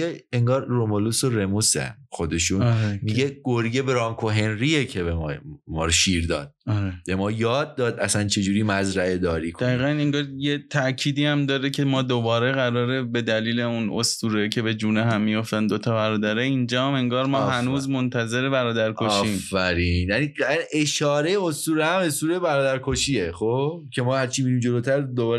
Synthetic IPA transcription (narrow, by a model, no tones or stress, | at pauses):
eeŋɡɒːɾːomolusoɾemusæ̰nxod̪eʃunɾmiɡeɡ̥oɾɡebeɾɒːŋkʰoɦe̞nɾiecʰebemɒːmɒ̰ːɾʃiːɾd̪ɒːd̪̚ɒɾeb̥e̞mɒːjɒːd̪̚ːɒːd̪ʔæsænt͡ʃʰe̞d͡ʒuːɾiːmæzɾæed̪ɒːɾiːkʰod̪æiːɣæne̞ŋɡɒːɾjet̪ʰæʔcʰiːd̪iːæmd̪ɒːɾecʰe̞mɒːd̪obɒːɾeɣæɾɒːɾe̞be̞d̪æliːle̞uno̰st̪uːɾecʰe̞be̞d͡ʒuːneɦæmːijo̞ft̪ænd̪o̞t̪ʰɒːbæɾɒːd̪æɾeind͡ʒɒːæme̞ŋɡɒːɾmɒːɦænuːzmo̞nt̪ʰæze̞ɾe̞bæɾɒːd̪æɾkʰoʃːiːmfːæɾiːnjæniaʔe̞ʃɒːɾejeost̪uːɾehæme̞st̪uːɾebæɾɒːd̪æɾkʰoʃieχobcʰe̞mɒːhæɾt͡ʃʰimiɾiːmd͡ʒoloːt̪ʰæɾd̪obɒːɾ